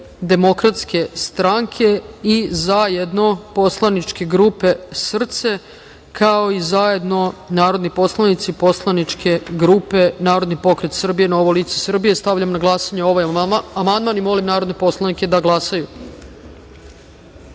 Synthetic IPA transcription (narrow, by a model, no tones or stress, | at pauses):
d̪e̞mo̞kɾat̪ske̞st̪ɾaŋkʰe̞izajed̪no̞po̞slˠanit͡ʃke̞ɡɾuːpe̞sr̩t̪se̞ | kʰao̞izaje̞d̪no̞naːɾo̞d̪nipo̞slˠanit̪sipo̞slˠanit͡ʃkʰe̞ɡɾuːpe̞naːɾo̞d̪nipo̞kɾe̞t̪sr̩bije̞naoʋoliːt̪sesr̩bije̞st̪aʋʎamnaɡlˠaːsaɲeo̞ʋajamand̪manimo̞limnaːɾo̞d̪nepo̞slˠanike̞d̪aɡlˠasaju